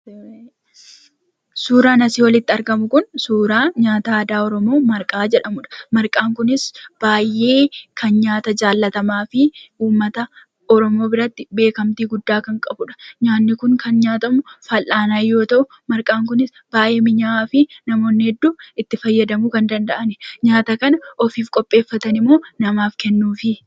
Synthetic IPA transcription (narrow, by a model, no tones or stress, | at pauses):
suːɾaːnɐsiːwɐlɪt̪ːɪɐɾɡɐmʊkʊnsuːɾaːɲaːt̪aːd̪aːɔɾɔmo̞ːmɐɾkʼaːd͡ʒɛᶑɐmʊᶑɐ̥mɐɾkʼaːŋkʊnɪsb̥aːjʔːe̞ːkʰɐnɲaːt̪ɐd͡ʒaːlːɐt̪ɐmaːfɪuːmːɐt̪ɐ | ɔɾɔmo̞ːbɪɾɐt̪ːɪbe̞ːkɐmt̪iːɡʊd̪ːaːkɐŋkʼɐbʊᶑɐ̥ɲaːnːɪkʊŋkʰɐnɲaːt̪ɐmʊfɐlʔːaːnaːjːo̞ːt̪ɐʔʊ | mɐɾkʼaːŋkʊnɪs | b̥aːjʔe̞ːmɪɲaaːfɪnɐmo̞ːnːɪhɛd̪ːuːɪt̪ːɪfɐjːɐd̪ɐmuːkɐnd̪ɐnd̪ɐʔɐnɛɲaːt̪ɐkɐnɐɔfiːfkʼɔpʼːe̞ːfːɐt̪ɐnɪmːo̞ːnɐmaːfkɛnːuːfɪ